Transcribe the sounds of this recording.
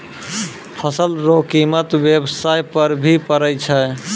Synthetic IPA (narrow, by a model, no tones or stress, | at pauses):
pʰəsəlɾokimət̪bjebsajpəɾbʱipəɾəjt͡ʃʰə